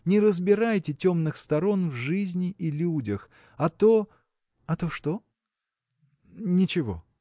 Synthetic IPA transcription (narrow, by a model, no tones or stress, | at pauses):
nʲɪɾəzbʲɪɾajtʲɪtʲo̞mnɨxst̪ɐɾo̞nvʐɨzʲnʲɪʔilʲudʲəx | ɐt̪o | ɐt̪oʂt̪o | nʲɪt͡ɕɪvo̞̰